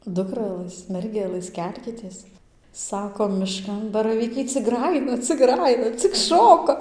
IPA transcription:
ˈdʊkrɐlˠɘs ˈmʲɛrʲɡʲɛlˠɘs ˈkʲɛlʲkʲɪtʲeːs ˈsɑːkoː mʲɪˈʃkɐn bɐrɐˈʋʲiːkɐɪ t͡sʲɪk ˈɡrɑːjɪnɐ t͡sʲɪk ˈɡrɑːjɪnɐ t͡sʲɪk ˈʃoːkɐ

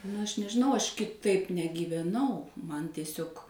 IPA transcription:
nʊ ˈɐʃ nʲɛʒʲɪˈnɐʊ ˈɐʃ kʲɪˈtɐɪp nʲɛɡʲiːʋʲɛˈnɐʊ ˈmɐn tʲiɛˈsʲoːk

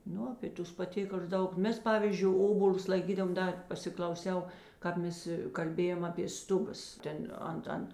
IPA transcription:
ˈnʊ ɐpʲeː ˈtʊs pɐˈtʲeːkɐlʲʊs ˈdɐʊk ˈmʲɛs ˈpɑːʋʲiːzʲd͡ʒʲʊɪ ˈoːboːlʲʊs lˠɐɪˈkʲiːdɐʋoːm ˈdɐ pɐsʲɪklˠɐʊˈsʲɛʊ ˈkɑːp ˌmʲɛs kɐlʲˈbʲeːjɛm ɐpʲeː ˈstʊˌbɐs ˈtʲɛn ˈɐnt ˈɐnt

